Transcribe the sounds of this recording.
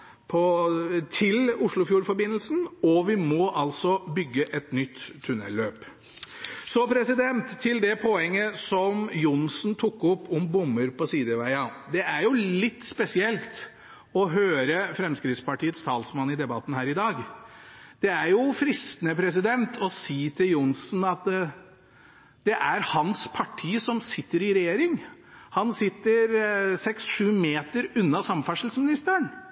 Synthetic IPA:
pʰɔt̪ʰɪlʊʂɭʊfjuːɾfɔɾbɪnːəlsn̩ɔʋɪmɔʔɑlsɔbʏɡːəʔɛt̪nʏt̪ʰːʉnɛ̰lːøːp | sɔpʰɾɛsɪd̪ɛnt̪ʰːɪld̪ɛpʰɔɛŋːəsɔmjʊnsn̩t̪ʰʊkːʊpːʊmbʊmːəɾpɔsiːd̪əʋæɪɑd̪ɛæɾjʊlɪt̪ːspɛsɪɛlt̪ | ɔɦøːɾəfɾɛmskɾɪt̪spɑʈiːət̪st̪ʰɑːlsmɑnːɪd̪ɛbɑt̪ːn̩hæːɾɪd̪ɑːɡ | d̪̥ɛæɾjʊfɾɪst̪ənəpʰɾɛs̬ɪd̪ɛnt̪ʰɔsiːt̪ʰɪljʊnsn̩ɑt̪ | d̪ɛʔæɾhɑnspʰɑʈʰiːsɔmsɪt̪ːəɾɪɾɛjeːɾɪŋ | hɑnsɪt̪ːəɾsɛksʂʉːmeːt̪əɾʉnːɑsɑmfæʂəl̩smɪnɪst̪əəɳ

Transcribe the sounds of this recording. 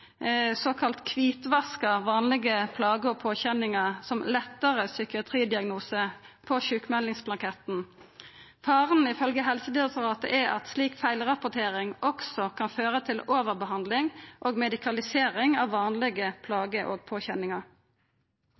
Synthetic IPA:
soːkʰɑlt̪kʰʋiːt̪ʋɑskəʁʋɑːnlɪɡəpʰlɑːɡəoːɡ̚pʰoːçɛnɪŋɑsɔmlɛt̪ːəʁəsʏkɪɑt̪ʰʁiːd̪ɪɑɡnuːsəpʰɔçʉːkmɛlɪŋsblɑŋkʰɛt̪n̩ | fɑːʁənɪfœlɡəɦɛlsəd̪ɪɛk̚t̪ʊʁɑːt̪ə̰ʔɛɑ̰t̪sliːkfæɪlʁɑpʊt̪ʰeːʁɪŋɔksɔkʰɑnføːʁət̪ʰɪloːʋəʁbəhɑnd̪lɪŋʔoːɡmɛd̪ɪkʰɑlɪseːʁɪŋɑːʋːɑːnlɪɡəpʰlɑːɡəʔoːɡ̚pʰoːçɛnɪŋɑʁ

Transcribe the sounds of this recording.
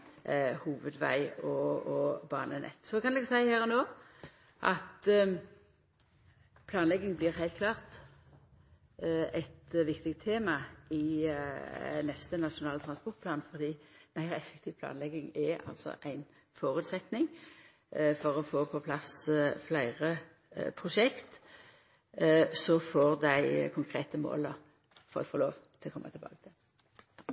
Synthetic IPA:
huːʋəd̪ʋæ̰ɪɔɔbɑ̰ːnənɛ̰t̪ːsɔkɑnlɛɡsæɪhæːʁɔnoː | ʔɑt̪ | pʰlɑːnlɛɡɪŋblɪːʁhæɪt̪̚kʰlɑːʁt̪ | ɛt̪ʋɪkt̪ɪk̚t̪ʰːeːmɑɪ | nɛst̪ənɑʃʊnɑːlət̪ʁɑnspɔʁt̪̚pʰlɑːnfɔʁd̪iːmæɪʁɛfɛkt̪ʰiːʋpʰlɑ̰ːnlɛɡɪŋɛɑ̰lt̪sɔ̰ʔæɪn | fɔʁʉːt̪sɛt̪nɪŋ | fɔʁɔfoːpʰɔpʰlɑsflæɪʁə | pʰʁʊʂɛkt̪ | sɔfoːʁd̪æɪkʰʊŋkʰʁeːt̪əmo̰ːləʁ | fɔ̰lfɔʁlo̰ːʋt̪ʰɪlɔkʰɔmːʔət̪ʰɪbɑ̰ːɡət̪ʰɪl

